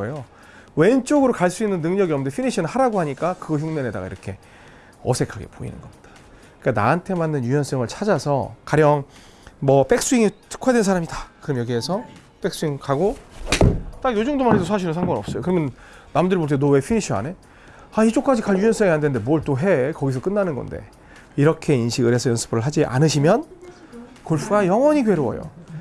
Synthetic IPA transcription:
jo | we̞nt͡ɕ͈oɡɯɾokaɭs͈uinːɯnːɯŋɲʌɡiʌmndepʰiniɕʰinɯnhaɾaɡoɦaɲik͈akɯɡʌçuŋneneda̰ɡa̰ḭɾʌkʰe̞ | ʌsʰe̞kʰaɡe̞̰po̰ḭnɯ̰nɡʌmɲid̥a | k͈ana̰antʰe̞manːɯnjujʌns͈ʌŋɯɭt͡ɕʰad͡ʑasʰʌ̰kaɾjʌŋ | mʌp͈e̞k̚s͈uiŋitʰɯ̥kʰadwensʰaɾamidakɯɾʌmjʌɡiɦe̞sʰʌ | p͈e̞k̚s͈uiŋkaɡo | t͈aɡjod͡ʑuŋdomanɦedosʰaɕ̬ʰinɯnsʰaŋɡonʌp̚s͈ʌjokɯɾʌmjʌn | namdɯɭboɭt͈enowe̞pʰiniɕʰia̰ne̞ | ait͡ɕ͈ok͈ad͡ʑikaɭjujʌns͈ʌŋiɦandende̞muʌɭt͈oɦe̞kʌɡis̬ʰʌk͈ɯnːanɯnɡʌ̰nde̞̰ | iɾʌkʰe̞inɕʰiɡɯɾhe̞sʰʌjʌnsʰɯ̥bɯɾɯɭɦad͡ʑiʔa̰nɯɕʰimjʌn | koɭpʰuɡajʌŋwʌɲikwe̞ɾoʌ̰jo̰

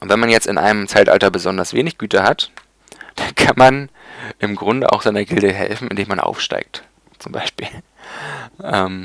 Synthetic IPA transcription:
ʔʊntv̥ɛnmanjɛt͡stɪ̰nʔa̰ɪnəmt͡saɪtʔa̰ltɐbəzɔndɐsv̥eːnɪçɡ̥yːtəhat | d̥ankʰanmanʔɪmɡʁʊndə̰ʔa̰ʊxz̥aɪnɐɡɪldəɦɛ̰lfn̩ɪ̰ndeːmanʔa̰ʊfʃta̰ɪk̚t | t͡sʊmba̰ɪʃpiːl | ʔɛːm

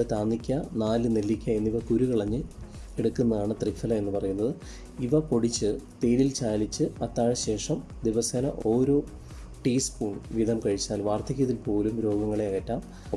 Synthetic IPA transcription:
et̪aːnːikʲːɐnaːlɨnelːikʲːɐenːiʋɐkuɾukiɭɐɲːɨeɽukːunːɐðaːɳɨt̪rifɐlɐe̞nːɨpɐrɐjunːɐðɨ | iʋɐpo̞ɽit͡ɕːɨt̪eːɾilt͡ɕaːlit͡ɕːɨɐt̪ːaːɻɐɕe̞ːʂɐm | d̪iʋɐsɐnɐ̰ʔo̞ːɾo̞ː | ʈiːskuːɳʋid̪ʱɐmkɐɻit͡ɕːaːlʋaːrt̪ʰɐkʲːɐðilpo̞ːlumɾo̞ːɡɐŋːɐɭeɐɣɐtːaːm

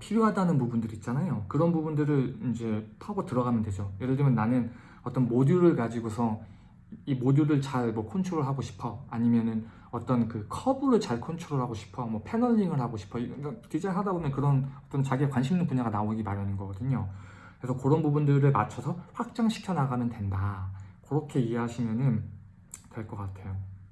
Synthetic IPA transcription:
pʰiɾjoɦadanɯnpubundɯɾiːt̚t͡ɕ͈anajokɯɾʌnbubundɯɾɯɭind͡ʑe̞pʰaɡotɯɾʌɡamjʌnde̞d͡ʑojeɾɯɭdɯmjʌnːanɯn | ʌt͈ʌnmodjuɾɯɭkad͡ʑiɡosʰʌ | imodjuɾɯɭt͡ɕaɭmwʌkʰont͡ɕʰoɾɯɭɦaɡoɕʰi̥pʰʌaɲimjʌnɯn | ʌt͈ʌnkɯkʰʌbuɾɯɭt͡ɕaɭkʰont͡ɕʰuɾɯɭɦaɡoɕʰi̥pʰʌmwʌpʰe̞nʌʎːiŋɯɭɦaɡoɕʰi̥pʰʌikakid͡ʑeɦadabomjʌnkɯɾʌnʌt͈ʌnt͡ɕaɡiekwanɕʰimnɯnpuɲaɡanaoɡimaɾjanɯnɡʌɡʌdɯɲo | kɾesʰʌkɯɾʌnbubundɯɾɯɭmat͡ɕʰʌsʰʌɸwak̚t͡ɕ͈aŋɕʰi̥kʰjʌnaɡamjʌntwe̞ndakɯɾʌkʰe̞ie̞ɦaɕʰimjʌnɯn | twe̞ɭk͈ʌk͈atʰe̞jo

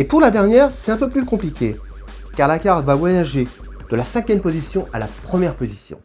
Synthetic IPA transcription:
epuʁlad̪ɛʁnjɛːʁsɛt̪ɛ̃pøplykɔ̃plikʲe | kaʁlakʲaʁt̪vavwajaʒe | d̪̥əlasɛ̃kʲjɛmpozisjɔ̃ʔa̰lapχəmjɛʁpozisjɔ̰̃

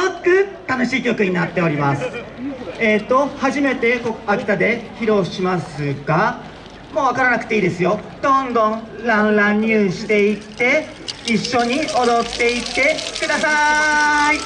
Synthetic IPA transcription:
okːɯ̟t̪ano̞ɕiːkʲo̞kɯ̟ɲ̟inat̪ːe̞o̞ɾʲimasɨ̥ | et̪ːo̞haʑime̞t̪e̞koakʲi̥t̪ad̪e̞çiɾo̞ːɕimasɨɡa | mo̞ːβakaɾanakɯ̟̥e̞iːd̪e̞sɨjo̞d̪̥õ̞nd̪õ̞ɾãɰlãɲːɨːɕi̥t̪e̞it̪ːe̞ | iɕːo̞ɲ̟io̞d̪o̞t̪ːe̞it̪ːe̞kɯ̟d̪asa | i

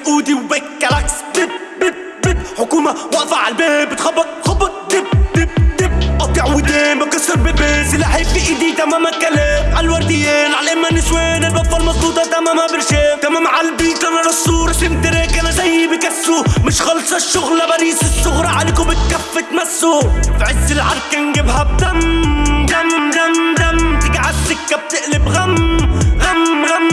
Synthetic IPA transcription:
ʔuːd̪iwbekːalaks | d̪ɪ | bɪ | bɪbħʊkuːmawaʔfaʕa̰lbeːbɪt̪xɑbːɑt̪̚ˤxɑbːɑt̪̚ˤd̪ɪb̚d̪ɪbd̪ɪbʔɑt̪ɪʕwɪd̪eːnbɪkɑsːɪɾbɪlbeːsɪlːʔaħɪbbiʔiːd̪it̪amaːmakːaleːʕalwɑɾˤd̪ɪjːeːnʕalʔɪmːanːɪsweːnɪlbafːalmɑzˤbuːt̪ˤɑt̪amaːmabɪlʃeːt̪amaːmaʕalbiːt̪lanalɑsːuːɾˤɑsɪmt̪ɪɾekːanazajhibɪkasɾumɪʃxɑlsˤɑʃːʊɣlabaliːsɪsːʊɣɾˤɑʕalɪkʊbɪt̪f̚kafːɪt̪masːʊfʕɪzːɪlʕɑɾˤkɪnɡɪbhab̚d̪amd̪amd̪amd̪amt̪ɪɡʕasɪkːab̚t̪ɪʔlɪbɣamɣamɣam

